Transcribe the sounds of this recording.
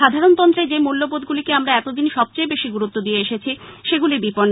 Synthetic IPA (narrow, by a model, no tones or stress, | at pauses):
ad̪ʱaɾont̪ɔnt̪ɾed͡ʑemulːobod̪̚ɡulikeamɾaɛt̪od̪inʃɔb̚t͡ɕojbeʃiɡuɾut̪ːod̪ieeʃet͡ɕʰiʃeɡulibipoɾn